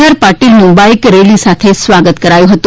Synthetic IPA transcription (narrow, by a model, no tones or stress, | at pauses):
aɾpaɾʈiːlmumbaikɾelisat̪ʰesʋaɡət̪kəɾajũɦət̪u